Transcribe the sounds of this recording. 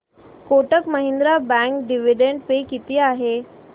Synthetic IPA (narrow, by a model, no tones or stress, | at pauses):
koʈəkməɦind̪ɾabɛ̃ŋkɖiʋiɖeɳɖpekit̪iːaɦe